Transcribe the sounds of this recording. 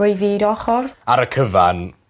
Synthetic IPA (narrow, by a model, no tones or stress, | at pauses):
ʊjviːdɔχɔraɾəkʰəva̰n